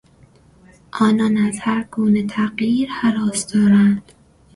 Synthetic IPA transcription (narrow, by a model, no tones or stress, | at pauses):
ʔɒːnɒːnæzhæɾɡ̥uːnet̪ʰæɢjiːɾhæɾɒːsd̪̥ɒːɾænd̪̥